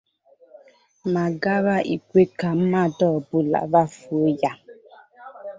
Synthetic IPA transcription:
ma˨ɡa˦βa˦ʔḭ˨kʷe˦ka˨m̩˦ma˦dɔ˦˨bu˦la̰˨va˦fu˨o˦ja˦

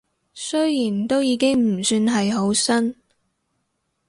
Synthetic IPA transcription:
sɵ˥jjiː˨˩nt̪o˥wjiː˨˧kɪ˥ŋm̩˨˩syː˧nɦɐ˨jɦo˨˥wsɐ˥n

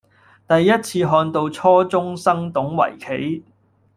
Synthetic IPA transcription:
t̪ɐ˨jːɐ˥t̚t͡sʰiː˧ɦɔː˧nt̪o˨˧wt͡sʰɔː˥t͡sʊ˥ŋsɐ˥ŋt̪ʊ˨˥ŋwɐ̰˨˩jkʰe˨˥j

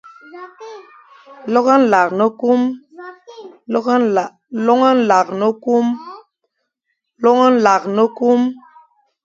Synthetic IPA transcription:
lɔ˦ɣə˦n̩˦la˨knə˦ku˦m˦˨ | lɔ˦ŋə˦n̩˦la˨k̚nə˦ku˦m | lɔ˦ŋə˦n̩˦la˨knə˦ku˦m

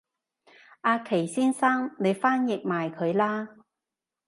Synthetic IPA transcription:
ʔaː˧kʰe˨˩jsiː˥nsaː˥ŋne˨˧jfaː˥njɪ˨k̚maː˨jkʰɵ˨˧ɥlaː˥

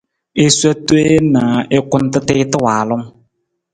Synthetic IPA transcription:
e˦sa˦to˦e˦na˨ɪ˦kʊ˦n˦tɨ˦tɪː˦tɨ˦waː˨lʊ˦ŋ

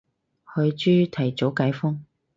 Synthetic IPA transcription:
hɵ˨˧ɥt͡ʃyː˥t̪ʰɐ˨˩jt͡so˨˥wkaː˨˥jfʊ˥ŋ

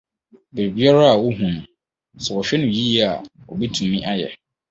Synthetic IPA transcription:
be˨ɾi˨bi˦a˦ɾa˦a˨wo˦ɦũ˨nʊ̃˨ | sɛ˨ɔ˨ɕᶣɛ˦nʊ̃˨ji˦a˨ | ɔ˨bi˦tʰũ˨mːĩ˦ʔa˦jɛ̰˨

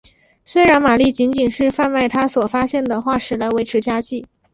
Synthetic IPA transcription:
swe˥ɪɻa˧˥nma˨˩li˥˩t͡ɕi˧˥nt͡ɕi˨˩nʂɻ̩˥˧fa˥˧nma˥˩ɪt̪ʰa˥swɔ˨˩fa˥ɕjɛ˥˩nd̪ə˩xwa˥˧ʂɻ̩˥˩la˧˥ɪwe˧˥ɪʈ͡ʂʰɻ̩˧˥t͡ɕja˥t͡ɕi˥˩

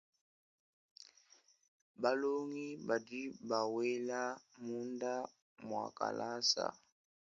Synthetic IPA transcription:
ba˦lo˦ŋi˦ba˨di˦ba˨wɛ˦la˦mu˦nda˦ | mwa̰˨ka̰˨lʔa˦sa̰˨

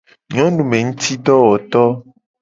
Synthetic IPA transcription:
ɲɔ̃˦nũ˨mẽ˨ŋũ˦t̪i˦ɖɔ˦wɔ˨t̪ɔ˦

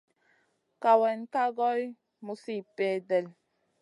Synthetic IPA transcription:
ka˨wɛ˨nka˦ɡɔ˦j | mu˨si˦˨pɛ˨dɛ˨l

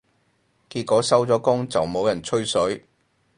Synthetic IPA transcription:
kiː˧t̚kɔː˨˥sɐ˥wt͡sɔː˨˥kʊ˥ŋt͡sɐ˨wmo˨˧wjɐ˨˩nt͡ʃʰɵ˥ɥsɵ˨˥ɥ

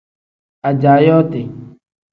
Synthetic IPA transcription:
a˨d͡ʒaː˨jɔː˦t̪e˨

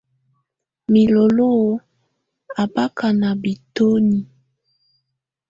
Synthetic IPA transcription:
mi˨lo˨lo˦o˨˦ | a˨ba˦ka˨na˨bi˨to˦ni˨

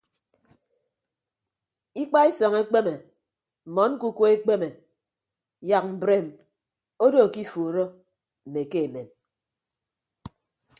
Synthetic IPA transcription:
i˦k͡pa˦e˦sɔ˨ŋe˦k͡pe˦me˨ | m̩˨mɔ˨˦n̩˦ku˦ko˦e˦k͡pe˦me˨ | ja˨k̚m̩˨bɾe˨m | o˦do˦˨ki˦fo˨ɾo˦ | m̩˨me˨ke˦e˨me˨m

